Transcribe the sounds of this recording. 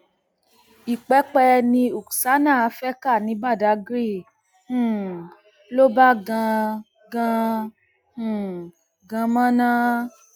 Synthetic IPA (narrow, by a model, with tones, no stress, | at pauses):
i˨k͡pɛ˨˦k͡pɛ˧nĩ˧˦u˨ksa˨˦nã˦˨a˧˦fɛ˦ka˦˨nĩ˨˦ba˦˨da˨˦ɡɾĩ˦˨˦ | lo˦ba˦ɡã˧ | ɡã˧ | ũ˦˨ | ɡã˧mã˦nã˦